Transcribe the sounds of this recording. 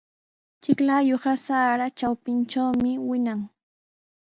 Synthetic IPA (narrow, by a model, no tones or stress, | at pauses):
t͡ʃɪklajoχɑsaːɾat͡ʃawpɪnt͡ʃawmɪwɪnaŋ